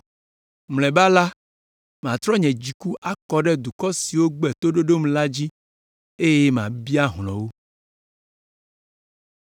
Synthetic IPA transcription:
mlɛ̃˨ba˦la˦ | m˨ã˨t̪ɾɔ˦ɲɛ̃˨d͡ʑi˨ku˦ʔa˦kɔ˨ɖɛ˦d̪u˨kɔ˦si˨wo˦ɡ͡bɛ˨t̪o˦ɖo˦ɖo˦mla˦d͡ʑi˦ | e˦jɛ˦m˨ã˨bi˦a˦ɦlɔ̃˨wo˦

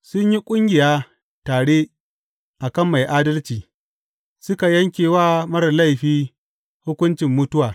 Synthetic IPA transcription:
sʊ˦ɲji˦kʷʼʊ˦ŋɡʲɪ˨jaː˦ | taː˨ɽeː˦ | ʔa˨kɐ˦˨mːa˨jʔaː˦dɐ˦lt͡ʃiː˨ | sʊ˦ka˨jɐ˦ŋkʲeː˨waː˦mɐ˦ɾɐ˨la˦˨jɸiː˦ | hʊ˦kʷʊ˦nt͡ʃɪ˨mːʊ˦tʊ˦waː˨

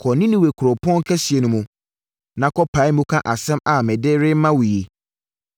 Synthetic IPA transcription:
kʰɔ˨nĩ˦nĩ˦we˨kʰʊ˨ɾʊ˨pʰɔ̃˦kʰɛ˦si˨e˨nʊ̃˨mũ˨ | nã˨kʰɔ˦pʰa˨˦ɪ˦mũ˦kʰã˦ʔa˨sɛ̃˦ma˨mɛ̃˨dɪ˦ɾɪ˦mã˦wʊ˨je˨

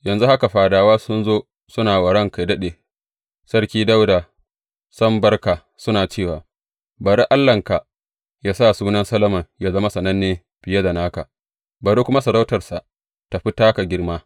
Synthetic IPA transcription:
jɐ˨nzu˦ha˦ka˨ɸaː˨daː˨waː˦sʊ˦nzoː˦ | sʊ˦naː˨wɐ˨ɽɐ˦ŋka˨jdɐ˦ɗeː˨ | sɐ˦rkʲiː˦da˦wda˨ | sɐ˦mbɐ˦rkaː˨ | sʊ˦naː˨t͡ʃeː˦˨waː˨ | bɐ˨ɾe˦ʔa˦lːɐ˨ŋka˨ | jaː˦saː˦˨suː˦nɐ˦nsɐ˦lɐ˦mɐ˨ŋjaː˦zɐ˦ma˦sɐ˨nɐ˦nːeː˦ | ɸɪ˨ja˦da˨naː˦ka̰˨ | bɐ˨ɾe˦kʷʊ˦ma˦sɐ˨da˦wtɐ˨rsa˨ | ta˨ɸi˦taː˦ka˨ɡʲɪ˦rmaː˦

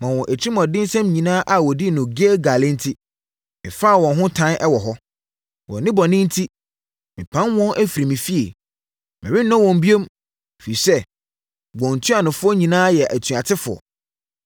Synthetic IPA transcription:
mã˨wɔ̃˨ʔæ˨t͡ɕʰi˦mɔ̃˨dɪ̃˦n˦sɛ̃˦mɲĩ˨nãː˦ʔa˨wɔ˨di˦˨nʊ̃˨ɡe˦ɡa˨lɪ̃˦n̩˦tʰi˦ | mɪ̰̃˨fa˦˨wɔ̃˨nɦʊ̃˦tʰã˦nʔɛ˦wɔ˨ɦɔ˦ | wɔ̰˨nɪ̃˦bɔ˨nɪ̃˦n̩˦tʰi˦ | mɪ̃˨pʰã˦nwɔ̃˦nʔæ˦fi˨ɾi˨mĩ˨fi˦e˨ | mɪ̃˨ɪ˦nː˦ɔ̃˦wɔ̃˨m̩˨bi˦o˦m˨ | fi˨sɛ˦ | ɡ͡bɔ̃˨n̩˨tʰu˦a˨nʊ̃˨fʊ˦ɔ˦ɲĩ˨nãː˦jɛ˨ʔæ˨tʰɥa˨tʰɪ˦fʊ˨ɔ̰˨

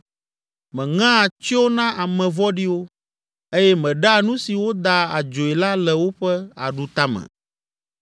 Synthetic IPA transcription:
mɛ̃˨ŋã˦˨t͡ʃi˦o˦nã˦ʔa˨mɛ̃˨vɔ˦ɖi˦wo˦ | e˦jɛ˦mɛ̃˨ɖa˦nũ˦si˨wo˦d̪a˦a˨d͡ʒo˨e˨la˦lɛ˨wo˦ɸɛ˦a̰˨ɖu˨t̪a˦mɛ̰˨

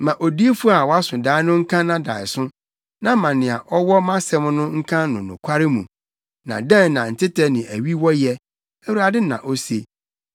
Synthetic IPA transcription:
mã˨ʔo˨di˦e˦fu˦a˨wɔ˨˦a˦sʊ̃˨daː˦ɪ˦nʊ̃˦ŋ̩˦kʰã˦nã˨da̰ː˨ɪ˨sʊ̃˦ | nã˦mã˨nɪ̃˨a˨ʔɔ˦wɔ˦mã˦sɛ̃˦m˦nʊ̃˦ŋ̩˦kʰã˦nʊ̃˨nʊ̰̃˨kʷʰa˦ɾɪ˦mũ˨ | nã̰˨dɛ̃˦nːã˨n̩˨tʰɪ˦tʰɛ˦nɪ̃˨ʔæ˨ɥi˦wɔ˦jɛ˦ | æ˦wu˨ɾa˨dɪ˦nã̰˨ʔo˦se˦

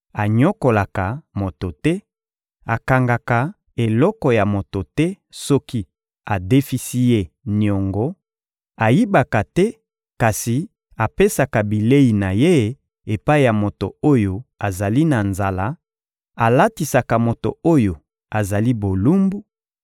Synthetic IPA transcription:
a˨ɲɔ˦ko˨la˨ka˨mo˨to˨tɛ˦ | a˨ka˨ŋɡa˨ka˨ | e˨lɔ˦kɔ˨ja˨mo˨to˨tɛ˦ | sɔ˦ki˦ | a˨de˦fi˦si˦je˦ | ni˨ɔ˨ŋɡɔ˦ | a˨ji˦ba˨ka˨tɛ˦ | ka˨si˨ | a˨pe˦sa˨ka˨bi˨le˦i˨na˨je˦ | e˨pa˦i˦˨ja˨mo˨to̰˨o˦jo˨a˨za˨li˦na˨nza˨la˦ | a˨la˦ti˨sa˨ka˨mo˨to̰˨o˦jo˨ | a˨za˨li˦bo˨lu˦mbu˦

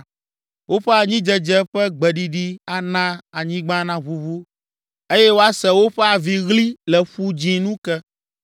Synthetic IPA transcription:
wo˦ɸɛ˦a˨ɲĩ˦d͡ʒɛ˨d͡ʒɛ˦ɸɛ˦ɡ͡bɛ˨ɖi˨ɖi˦a˨nã˦a˨ɲĩ˦ɡ͡bã˦nã˦βu˨vu˦ | e˦jɛ˦wo˦a˦sɛ˨wo˦ɸɛ˦a˨vi˨ɣli˦lɛ˨ɸu˦d͡ʒĩ˨nũ˦kɛ˦

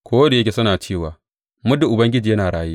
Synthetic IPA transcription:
kʰʷoː˦wɐ˦de˨jɐ˦kʲe˨sɐ˦naː˨t͡ʃeː˦˨waː˨ | mʊ˦dʊ˨ʔʊ˨bɐ˦ŋɡʲɪ˦d͡ʒiː˨jɐ˦naː˨ɽaː˦jeː˦ʔ

